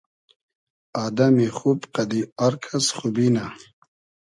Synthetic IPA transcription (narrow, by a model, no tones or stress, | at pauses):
aːd̪amixubqad̪iaɾkʰasχubina